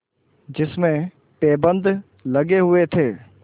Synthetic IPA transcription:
d͡ʒɪsmẽ | pɛːbə̃nd̪ʱ | lɐɡeɦʊet̪ʰeː

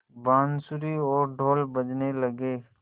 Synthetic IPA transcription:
baːnsʊɾiɔːɾɖʱoːlbəd͡ʒnelɐɡeː

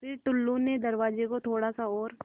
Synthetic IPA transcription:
pʰɪɾʈ̪ʊlːuned̪ɐɾʋaːd͡ʒekot̪ʰoːɽasaɔːɾ

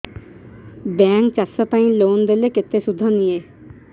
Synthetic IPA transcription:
bɛ̃ːŋk̚t͡ʃasɔt̪ãĩloːnd̪eleket̪ːesʊd̪ʱːɔ̃nije

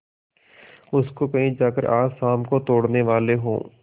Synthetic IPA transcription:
ʊskokɐɦĩːd͡ʒaːkəɾʔaːaːmkot̪oːɽneʋaːleɦõ̰ː

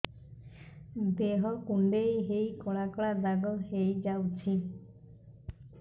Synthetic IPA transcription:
d̪eɦɔkuɳɖejɦejkɔɭakɔɭad̪aɡɔɦejd͡ʒawt͡ʃʰi

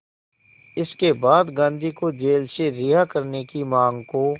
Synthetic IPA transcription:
ɪskebaːd̪ɡãːnd̪ʱikod͡ʒeːlseɾɪɦakəɾnekimãːŋɡko

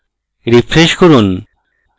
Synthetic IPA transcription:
ɾifʰɾeʃkoɾun

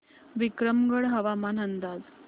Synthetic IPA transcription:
ʋikɾəmɡəɽɦəʋamanənd̪ad͡z

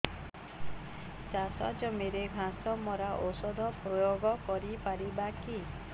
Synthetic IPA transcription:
t͡ʃasa̰d͡ʒɔmeɾeɡʱãsɔmɔɾaʔosɔd̪ʱɔpɾɔjoɡɔkɔɾipaɾibaki

